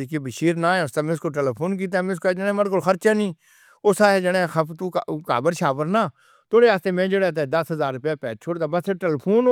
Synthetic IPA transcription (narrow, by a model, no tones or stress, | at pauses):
ikiːbəʃiːɾnãːɛ̃ʊst̪aːmɛ̃ʊskoːʈ̬ɛːleːpʰoːnk̬iːt̪̬aːmɛ̃skod͡ʒənẽːməɽkolxəɾt͡ʃaːnĩː | osaːeːd͡ʒəɽẽːxət̪uːka̰ːbəɾʃaːʋəɾnaː | t̪oːɽeːaːst̪eːmɛ̃ːd͡ʒeɽeːt̪̬ed̪əsɦəzaːɾːʊpjaːpɛːt͡ʃʰoːɽd̪aːbəseʈɛːlːpʰoːn